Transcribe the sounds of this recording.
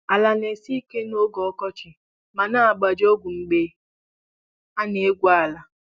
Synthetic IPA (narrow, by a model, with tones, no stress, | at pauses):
a˨la˨ne˨si˦ke˦no˦ɡɔ˨ɔ˦kɔ˦t͡ʃɪ˨ | ma˨na˦a˨ɡ͡ba˨d͡ʒo˦ɡʷu˨ŋ͡m̩˨ɡ͡be˦ | a˦ne˨e˦ɡʷa˦˨la˨